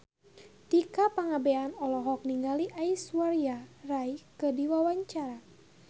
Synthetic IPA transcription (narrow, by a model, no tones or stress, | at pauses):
t̪ikapaŋabɛanɔlɔɦɔk̚niŋɡaliʔaiswaɾiarajkədiwawaɲt͡ʃaɾa